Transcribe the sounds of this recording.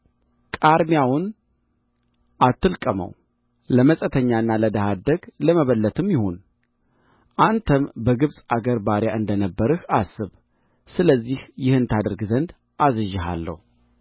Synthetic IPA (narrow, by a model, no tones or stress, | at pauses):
kʼaɾmjawʊn | ʔat̪ːɨlkʼəmə̰w | ləməsʼət̪ʰəɲːaɨnːaləd̪əhad̪əɡləməβəlːət̪ʰɨmjɪho̞n | ʔant̪ʰəmbəɡɨβsʼaɡəɾbaɾjaʔɨnd̪ənəbːəɾɨhasɨβ | sɨləzːihjɪhɨnt̪ʰad̪ɨɾɡzənd̪ | ʔazɨʒːɨɦa̰lːə̰hu